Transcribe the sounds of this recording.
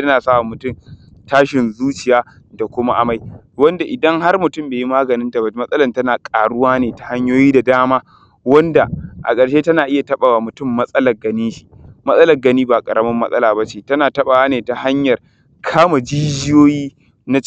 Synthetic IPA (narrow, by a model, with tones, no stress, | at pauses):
tɐ˦naː˨sa˦a˨mʊ˨tʊ˦m | taː˦ʃɪ˨nzuː˦t͡ʃɪ˨jaː˦ | da˨kʷʊ˦ma˦ʔa˨ma˦j | wɐ˦nda˨ʔɪ˨dɐ˦ŋha˦rmʊ˨tʊ˦˨mbeː˨ji˦maː˦ɡɐ˨nɪ˦nta˨ba˨˦mɐ˦sʔʼɐ˦lɐ˦˨ntɐ˦naː˨kʼaː˨ɽʊ˦waː˦neː˨ta˨ha˦ɲjoː˦jiː˦da˨daː˦maː˦ | wɐ˦nda˨ʔa̰˨kʼɐ˨ɽʃeː˦tɐ˦naː˨ʔɪ˦ja˨tɐ˦ɓa˨wa˨mʊ˨tʊ˦˨mːɐ˦sʼɐ˦lɐ˨rɡɐ˦niː˦ʃi̥˨mɐ˦sʼɐ˦lɐ˨ɡɐ˦niː˦ba˨kʼɐ˨ɽɐ˦mɐ˦mːɐ˦sʼɐ̰˦laː˨ba˦t͡ʃeː˨tɐ˦naː˨tɐ˦ɓaː˨waː˦neː˨ta˨ha˦ɲjɐ˨r | kʰaː˦ma˨d͡ʒiː˦d͡ʒɪ˦joː˦jiː˦ | na˦